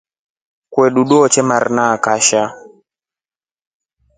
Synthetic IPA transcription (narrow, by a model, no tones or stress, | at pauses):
kwɛɗuɗɔɔt͡ʃɛmaɾnakaʃa